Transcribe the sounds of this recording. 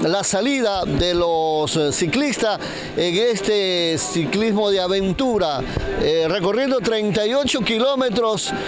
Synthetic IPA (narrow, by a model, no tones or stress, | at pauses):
lasaliðaðelossiklist̪as | eŋest̪esiklizmo̞ðeaβẽ̞nt̪uɾaere̞ko̞rje̞nd̪ot̪ɾejnt̪ajo̞t͡ʃo̞kilo̞met̪ɾos